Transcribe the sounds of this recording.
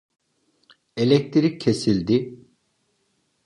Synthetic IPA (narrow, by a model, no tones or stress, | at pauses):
elʲɛc̚t̪ʰɾicʰːesilʲd̪ɪ